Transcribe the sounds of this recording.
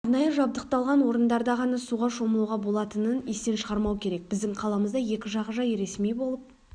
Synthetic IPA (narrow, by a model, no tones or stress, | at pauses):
ɾnɑjəʒɑb̚d̪əq̚t̪ɑlˠʁɑnwo̞ɾənd̪ɑɾd̪ɑʁɑnɑsuʁɑʃo̞məlˠuʁɑbo̞lˠɑt̪ənənest̪e̞nʃəʁɑɾmɑwkʲʰe̞ɾe̞k̚bɪzd̪ɪŋqʰɑlˠɑməzd̪ɑje̞kʲɪʒɑʁəʒɑjɾe̞smijbo̞lˠəp̚